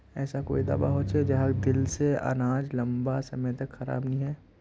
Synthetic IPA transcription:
ɛːsako̰ːid̪ɐ̰ːba̰ɦoːt͡ʃed͡ʒɐɦad̪ɪlseɐ̰naːd͡ʒlɐ̃mbasɐmə̃t̪ɐkxɐɾa̰ːbnɐĩɦɛː

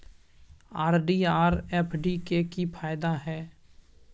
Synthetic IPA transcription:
aːɾɖiːaːɾɛːpʰɖikekipʰaːɪd̪aɦɛː

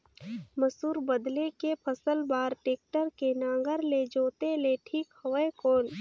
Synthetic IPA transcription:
məsuːɾbəd̪lekepʰəsəlbaːɾʈeːk̚ʈəɾkenãːŋɡəɾled͡ʒoːt̪eleʈʰiːkhɐʋəekoːn

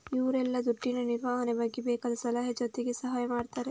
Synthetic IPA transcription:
iʋɾɛlːɐd̪uʈːinɐniɾʋaːɦɐnebɐɡːebeːkaːd̪ɐsɐlaːɦɐd͡ʒɐt̪eɡesɐɦaːjɐmaːɖt̪aːɾe

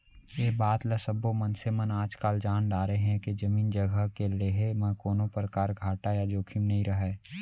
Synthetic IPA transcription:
jeːbaːt̪ləsəbomənsemənaːd͡ʒkaːld͡ʒaːnɖaːɾəeɦɛ̃ked͡ʒɐmiːnd͡ʒəɡʱəɦkeleɦemɐ̃koːnõpəɾkaːɾɡʱaːʈajad͡ʒoːkʰɪmnɐɦĩɾəɦɛ

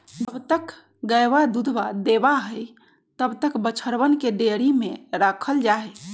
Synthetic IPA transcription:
d͡ʒəbt̪ək | ɡəjbad̪ud̪bad̪ebaɦəj | t̪əbt̪əkbət͡ʃʰəɾbənkeɖeɾimeɾakʰəld͡ʒae

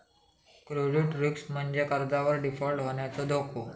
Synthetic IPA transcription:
kɾod͡ʑuʈɾuksm̤əɳd͡ʑekəɾd͡zaʋəɾɖifɔlʈɦoɳjat͡sod̪ʱokʰo

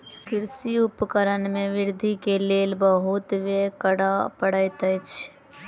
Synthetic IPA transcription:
kɪɾsiupəkəɾənmẽʋɪɾd̪ʱikeleːlbəɦut̪ʋekəɽapəɽəjt̪ət͡ʃʰ

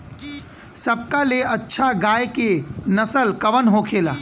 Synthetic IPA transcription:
səb̚kaleɐtːʃʰaɡaːjkenɐsəlkɐʋənɦokʰeːlaː

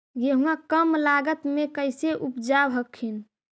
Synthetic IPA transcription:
jeɦũakəmlaɡət̪mekəjseʔupd͡ʒabɦəkʰin

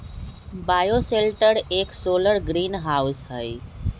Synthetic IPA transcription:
baːjoseːlʈəɾeːksoːləɾɡɾiːnɦaːʊsɦəi

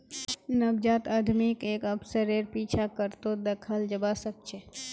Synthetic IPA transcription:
nɐbd͡ʒaːt̪ad̪ʱmikeːkəbsəɾeɾpiːt͡ʃʰakəɾt̪od̪ɐkʰəld͡ʒɐbasək̚t͡ʃʰe

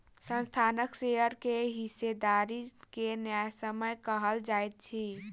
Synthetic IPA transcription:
sə̃nst̪ʰaːnəkseɦəɾkeɦised̪aɾikenjajsəməjkəɦəld͡ʒaet̪̚t͡ʃʰi

